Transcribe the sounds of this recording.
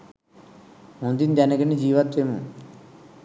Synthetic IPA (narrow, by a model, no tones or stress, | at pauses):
mund̪ind̪ɐnɐɡɐnid͡ʒiːʋat̪ʋeːmṵ